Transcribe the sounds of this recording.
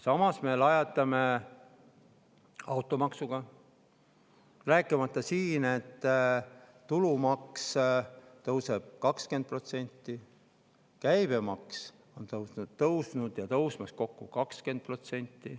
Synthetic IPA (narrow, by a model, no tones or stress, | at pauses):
sɑmɑsme̞lɑjɑt̪ˑːɑme̞ | ɑwt̪ːˑo̞mɑksuɡ̥ɑ | ræːkːˑimɑt̪ˑːɑsiːne̞t̪ː | ulumɑkst̪ɤwseb̥̚kɑkske̞n̚pro̞t̪se̞nʲt̪ˑːi | kæjbe̞mɑks | o̞nt̪ɤwnut̪ɤwsnud̪jɑt̪ɤwsmɑsko̞kːukɑkske̞nt̪̚pro̞t̪se̞nʲt̪ːˑi